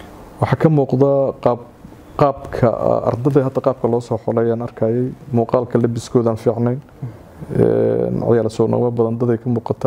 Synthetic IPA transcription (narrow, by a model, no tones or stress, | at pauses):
wɑħɑːkʰɐmuːqdðɐqɑːb | qɑːbkʰɐ̰ɐ̰rd̪ɐðɐɦɐd̪ʰɐqɑːb̚kʰɐlɔːsɔːħɔlɛjaːnɐrkʰaːjɛjmuːqɑːlkʰɐlɛbɪskʰɔːðaːnfiːʕnɛjn | ɛ̰nʕɑ̰jaːlsɔnɐ̰wɐbɐðɐnd̪ɐðɛjkʰɐmuːqɑt̪ʰa